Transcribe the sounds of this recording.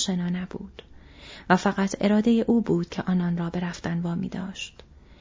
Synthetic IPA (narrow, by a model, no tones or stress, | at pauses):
ʃenɒːnæbṵːd̪̥væfæɣæt̪ʰe̞ɾɒːd̪e̞jeʔuːbuːd̪̥̚cʰeʔɒːnɒːnrɒːbe̞ɾæft̪ænvɒːmḭːd̪ɒːʃt̪